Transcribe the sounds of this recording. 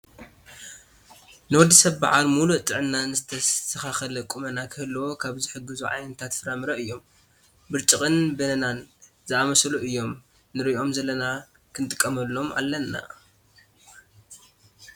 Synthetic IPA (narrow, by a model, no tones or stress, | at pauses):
nɨwɔd̪ːisɐβba̰ʕalmuluʔt̪ʼɨʕɨnːanɨzɨt̪ʰɐsɐxaxɐlɐkʼumɐnakʰɨhɨlːwokʰaβzɨħɨɡɨzuʕa̰jnɐt̪ʰat̪fɨɾamɨɾɐʔɨjːo̞m | bɨɾt͡ʃʼɨχʼɨnbɐnɐnan | zɨamɐsluʔɨjːo̞mː | ɨɾiʔʔo̞mzɐlːɐna | kʰɨnt̪ʼɨkʼːɐmɐlːo̞mʔa̰lːɐnːa̰